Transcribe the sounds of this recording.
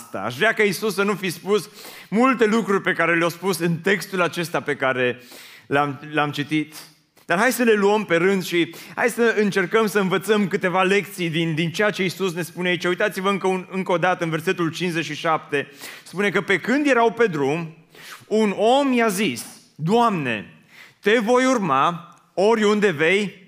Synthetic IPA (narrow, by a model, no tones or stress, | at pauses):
t̪a̰a̰ʃ̬vɾeakaisusːənufispusmult̪e̞lukɾurʲpe̞kaɾe̞leawspusɨnt̪e̞kst̪ulat͡ʃe̞st̪ape̞kaɾe̞lamlamt͡ʃit̪it̪ | d̪arɦajsəle̞luəmpe̞ɾɨnd̪ʃiha̰jsəɨnt͡ʃe̞rkəmsəɨnvət̪səmkɨt̪e̞vale̞k̚t̪sijd̪ind̪int͡ʃejat͡ʃe̞isus̬ne̞spuneait͡ʃujt̪at̪sivəɨŋkəɨŋkəod̪at̪əɨnve̞rse̞t̪ult͡ʃinszːet͡ʃʃiʃapt̪e̞spune̞kəpe̞kɨnd̪je̞ɾawpe̞d̪ɾum | uno̞mjazis | d̪oamne̞̰ | t̪e̞vo̞jurma | o̞ɾʲund̪e̞ve̞j